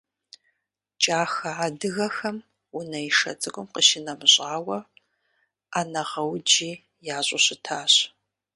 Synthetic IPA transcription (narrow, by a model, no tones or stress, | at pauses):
t͡ʃʼaːxɐaːdɨɣɐxɐm | unɐiʂɐ̰t͡sʼɨɡʷʊmqəʃɪnɐmɨɕʼaːwɐ | aːnɐʁɐwd͡ʒiː | jaːɕʼʊɕɪtʰaːɕ